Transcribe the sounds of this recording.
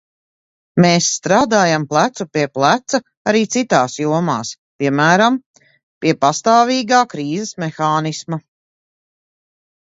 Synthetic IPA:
meːsːt̪ɾaːd̪aːjamplˠæt̪supiɛplˠæt̪sa | aɾiːt̪sit̪aːsjuɔmaːs | pʲiɛmæːɾam | piɛpast̪aːviːɡaːkɾiːzɛsmexaːnismɐ

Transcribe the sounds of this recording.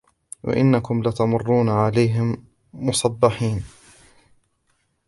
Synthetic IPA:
wa̰ʔɪ̰nːakʊmlat̪amʊrˤːuːnaʕalajɦɪmː | ʊsˤɑbːɪħiːn

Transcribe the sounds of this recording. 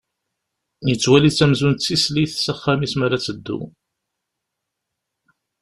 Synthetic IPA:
jət͡sːwælit͡sːæmzunt͡sːisliθsæχːæmismaɾat͡sːəd̪ːṵ

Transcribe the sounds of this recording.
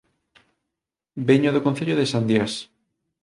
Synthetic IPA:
beɲoðokõnθeʎoðesand̪jas

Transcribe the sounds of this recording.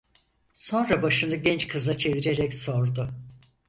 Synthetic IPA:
so̞nɾabaʃɯnɯɟɛnt͡ʃkʰɯzat͡ʃʰe̞viɾeɾɛcso̞ɾd̪ʊ

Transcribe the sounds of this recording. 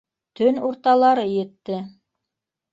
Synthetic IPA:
t̪ɵnuɾt̪ɑlˠɑɾɤjɘ̆t̪ːɘ

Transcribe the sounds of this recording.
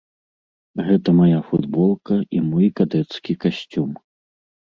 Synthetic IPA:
ɣɛt̪ɐmajafud̪bɔlˠkɐimɔjkad̪ɛt̪skʲikasʲt͡sʲum

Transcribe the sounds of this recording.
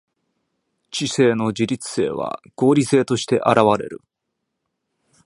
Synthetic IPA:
t͡ɕise̞ːno̞d͡ʑiɾʲit͡sɨ̥se̞ːβa̰ɡ̥o̞ːɾʲise̞ːt̪o̞ɕi̥t̪e̞ʔaɾaβaɾe̞̰ɾɯ̟̰

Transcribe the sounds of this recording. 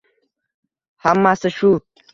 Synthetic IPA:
hamːasaʃu

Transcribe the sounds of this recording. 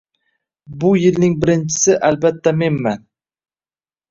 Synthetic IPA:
bʊjɪlnɪŋbɪɾɪnt͡ʃʰɪ̥sɪʔalbat̪ʰːame̞nman

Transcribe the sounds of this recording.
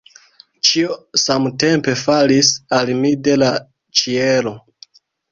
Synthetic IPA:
t͡ʃiosamte̞mpe̞falisalmide̞la | t͡ʃielo

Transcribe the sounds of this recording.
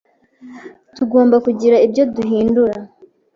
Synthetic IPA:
tuɡo̞ːmbakuɟiɾaibjo̞duɦiːnduɾa

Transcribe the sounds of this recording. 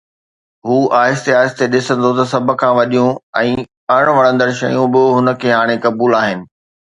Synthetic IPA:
ɦuːʔaːɦɪst̪eaːɪst̪eɗɪsə̃nd̪ʱot̪ɐsɐbʱʊ̆kʰãːʋɐɗijũɛ̃ː | ɐɽ̃ʋɐɽə̃nd̪əɾʃɐjũbɪɦʊnə̆kʰeːɦaːɽ̃ekɐbuːlaːɦɪnɪ̆

